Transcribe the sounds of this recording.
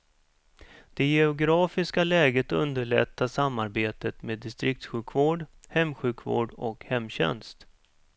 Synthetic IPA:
d̪̥ɛjɛʊɡɾɑːfɪskalɛːɡət̪ɵnd̪əɭɛ̰t̪ʰːasamːaɾbeːt̪ət̪meːd̪ːɪst̪ɾɪk̚t̪ɧʉ̟ːkʰvoːɖhɛmɧʉ̟ːkʰvo̰ːɖɔ̰khɛmːɕɛ̰nst̪

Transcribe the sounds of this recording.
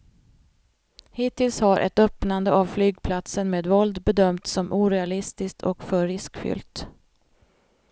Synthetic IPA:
hɪt̪ɪlshaɾʔɛ̰t̪œpnand̪əʔavflyːɡ̚pʰlat̪sənmeːd̪vɔld̪bɛd̪œmt̪sɔmʔuːɾɛalɪst̪ɪskt̪ʰɔkfœɾːɪskfʏ̰lt̪

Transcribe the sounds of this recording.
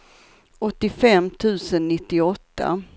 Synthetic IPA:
ɔt̪ːɪfɛmːt̪ʰʉ̟ːsənːɪt̪ːɪɔt̪ːa̰

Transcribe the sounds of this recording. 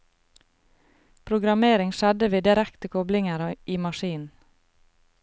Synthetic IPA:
pʰɾʊɡɾɑmeːɾɪŋʃɛd̪əʋeːd̪ɪɾækt̪əkʰɔblɪŋəɾʔiːmɑʃiːnn̩

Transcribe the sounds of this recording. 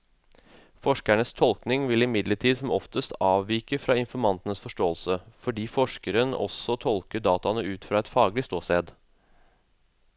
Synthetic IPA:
fɔʂkæɳəst̪ʰɔlknɪŋʋɪlɪmɪd̪ləʈʰiːd̪sɔmɔft̪əst̪ɑːʋʋiːkəfɾɑːɪnfɔɾmɑnt̪ənəsfɔʂʈoːəlsəfɔɖiːfɔʂkəɾənɔ̰sɔt̪ʰɔlkəɖ̪ɑːt̪ɑnəʉːt̪fɾɑːɛt̪fɑːɡlɪst̪oːseːd̪

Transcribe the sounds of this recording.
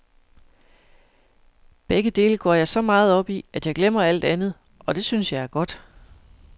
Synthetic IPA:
b̥eɡ̥əd̥e̝ːləɡ̥ɒ̰ːjɑ̈ɪsɒ̽mɑ̈ːð̞̩ˠɒ̽b̥iæd̥jɑ̈ɪɡ̥lem̰ɐæl̰d̥ænð̞̩ˠ | ɒ̽d̥e̝synsjɑ̈ɪæɐɡ̥ɒ̽d̥

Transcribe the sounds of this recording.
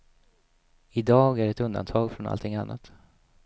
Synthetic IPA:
ɪd̪ɑːɡæɖɛt̪ɵnd̪a̰nt̪ʰɑːɡfɾɔnʔa̰lt̪ʰɪŋanːʔat̪

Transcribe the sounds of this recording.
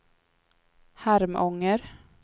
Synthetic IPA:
hæɾmʔɔŋːəɾ

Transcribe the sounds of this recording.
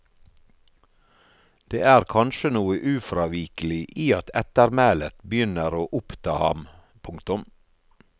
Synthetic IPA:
d̪̥ḛːæːɾkʰɑnʃənuːəʔʉːfɾɑːʋiːkəl̩ɪʔiːɑt̪ʰɛt̪əɾmæːlət̪bəjʏnəɾoːʔʊpt̪ʰɑːhɑ̰m | pʰʊŋkt̪ʊm

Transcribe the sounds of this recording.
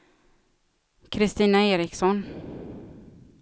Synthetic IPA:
kʰɾɪst̪iːnaeːɾɪksɔn

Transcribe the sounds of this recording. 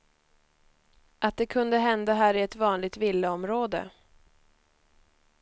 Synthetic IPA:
ʔat̪̚d̪ɛkʰɵnd̪əɦɛnd̪aɦæːɾɪɛt̪vɑːnlɪɡ̚t̪vɪlːəɔmɾoːd̪ə̰

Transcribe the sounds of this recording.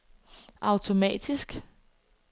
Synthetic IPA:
ʔɑ̈ʊt͡sʰo̝mɛ̰ːd̥isɡ̥

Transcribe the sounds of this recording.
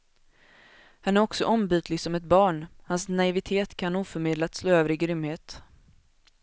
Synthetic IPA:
hanæɾɔksɔ̰ʔɔmbyːt̪ʰlɪɡsɔmɛt̪̚bɑːɳhansnaɪvɪt̪ʰeːt̪kʰanːuːfœɾmeːd̪lat̪sloːøːvəɾɪɡɾʏmheːt̪

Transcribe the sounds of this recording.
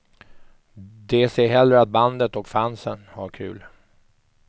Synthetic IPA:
d̪ɛseːɦɛlːɾəat̪̚band̪ət̪ɔkfansənha̰ɾkʰʉ̟̰ːl

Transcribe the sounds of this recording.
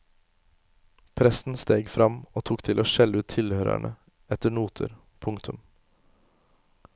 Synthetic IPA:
pʰɾɛsn̩st̪eːɡfɾɑmoːt̪ʰuːkt̪ʰɪloːʃɛləʉːt̪ʰɪlhøːɾæ̰ɳə | ɛt̪əɳuːt̪ʰə̰ɾ | pʰʊŋkt̪ʰʉm

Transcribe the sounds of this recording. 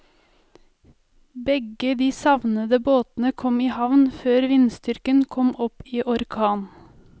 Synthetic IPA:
bɛɡəd̪iːsɑʋnəd̪əboːt̪n̩əkʰɔmiːhɑʋnføːɾʋɪnst̪ʏɾkənkʰɔmʔɔpiːʔɔɾkʰɑːn

